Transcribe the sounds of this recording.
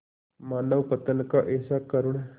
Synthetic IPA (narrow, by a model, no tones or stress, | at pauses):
maːnəʋpət̪ənkaʔeːsakəɾuɳ